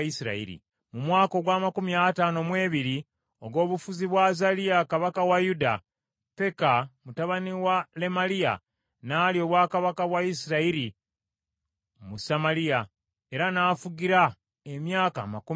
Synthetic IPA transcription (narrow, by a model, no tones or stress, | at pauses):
isiɾa̰ḭɾḭ | mumwaːko̞ɡwaːmakumiataːno̞mwe̞ːβiɾi | o̞ɡo̞ːβufuziβwazalijakaβakawajuda | pe̞kamutaβaniwale̞malija̰ | naːlio̞ːβwaːkaβakaβwaisiɾaiɾi | musamalija | e̞ɾanaːfuɡiɾa | e̞mjaːka̰ːmaku